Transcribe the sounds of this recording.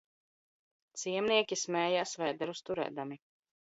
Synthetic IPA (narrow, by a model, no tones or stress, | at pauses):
t̪siɛmniɛkʲismɛːjaːsvɛjd̪ɛɾust̪uɾɛ̰ːd̪ami